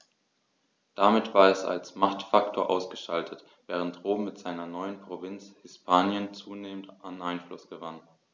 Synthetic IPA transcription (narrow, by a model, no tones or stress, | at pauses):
d̥amɪtv̥aːɐɛsa̰lsmaχtfaktʰoːɐʔaʊsɡ̥əʃtaltʰət | v̥ɛːʁ̞əntʁoːbm̩mɪtz̥aɪnɐnɔʏənpʁ̥ovɪnt͡shɪspʰaːnjənt͡suːneːmən̩tanʔaɪnflʊsɡ̥əvan